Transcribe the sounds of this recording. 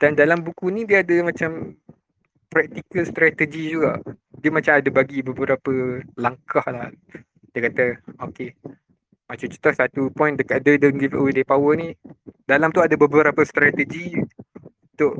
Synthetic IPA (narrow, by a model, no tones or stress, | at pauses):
d̥andalambukunĩdiəadəmãt͡ʃam | pɾak̚t̪ikəlst̪ɾat̪əd͡ʒid͡ʒuɡa̰ʔdiəmat͡ʃamadəbaɡibəbəɾapəlaŋkahlah | diəkat̪əoke | mat͡ʃamt͡ʃu̥t̪ɔsat̪upɔjndəkaʔ̚dədõnɡivə̰wedəpawənidalamt̪uadəbəbəɾapəst̪ɾat̪əd͡ʒi | t̪ʊʔ